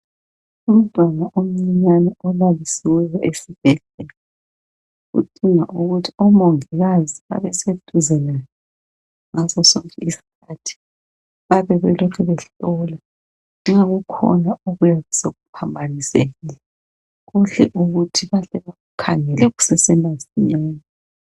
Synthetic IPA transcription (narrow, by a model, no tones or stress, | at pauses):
um̩d̥ʱwanaʔom̩ɲiɲanɛɔlalisiwɛjɔʔesiβ̥ɛɮɛla | ɣṵd̥ʱʼiŋaʔuɣutʰiɔmoŋiɣazia̰βɛsed̥ʱʼuzɛlajɔ | ŋazɔsɔŋkʼɛisi̥kʰatʰi̥ | βaβɛβɛlɔkʰɛβɛɬɔla | ŋ͡ǁaɣukʰɔ̰nauɣujaɣuseɣupʰambʱaniseːnɛ | ɣuɬɛ̰ʔuɣutʰiβaɬɛβaɣukʰaŋɛlɛɣusɛsɛnasiɲaːna